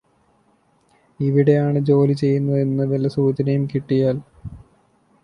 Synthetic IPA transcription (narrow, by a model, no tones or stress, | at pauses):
iʋiɽe̞jaːɳɨd͡ʑo̞ːlit͡ɕe̞jːunːuenːɐðelɐsuːt͡ɕɐnɐjumkiʈːijaːl